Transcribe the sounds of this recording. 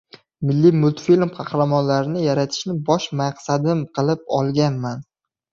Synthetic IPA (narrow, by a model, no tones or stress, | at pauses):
mɪlːimʊlˠt̪filmqʰɑχɾamɒnlaɾɪnɪjaɾat̪ʰɪ̥ʃnɪbɒʃmaqsad̪ɪmqʰɨlˠɪp̚ɒlˠɡʲanman